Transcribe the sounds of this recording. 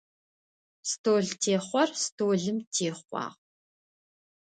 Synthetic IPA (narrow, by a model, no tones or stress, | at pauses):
stʰoːɮtʰeːχʷɔrstʰoːɮɨmtʰeːχʷɑ̰ːʁ